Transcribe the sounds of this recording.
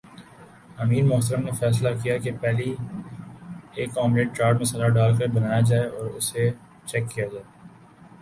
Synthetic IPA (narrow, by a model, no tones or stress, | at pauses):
ɐmiːɾmʊɦt̪əɾəmnefɛːs̬lakijakepɛːli | eːkːɔːmɾeːɖ̚t͡ʃaːɾɖmẽsɐlaːɖaːlkəɾbɐnaːjad͡ʒaːeɔːɾʊse | t͡ʃɛkːijad͡ʒaːe